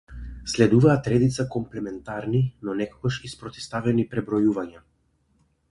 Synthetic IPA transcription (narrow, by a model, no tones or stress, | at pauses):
slɛd̪uvaːt̪ɾɛd̪it̪sakɔmplɛmɛnt̪aɾninɔnɛkɔɡaʃispɾɔt̪ɛ̥st̪avɛnipɾɛbɾɔjuvaɲa